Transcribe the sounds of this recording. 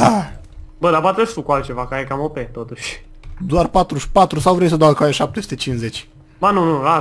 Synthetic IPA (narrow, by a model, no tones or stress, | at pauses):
a | bəd̪apat̪eest̪ukualt̪̚t͡ʃe̞vakəaekamopet̪ot̪uʃʲ | d̪oarpat̪ɾuspat̪ɾusawvɾejsəd̪akajeʃap̚t̪esu̥t̪et͡ʃinsze̞t͡ʃʲ | bənũnua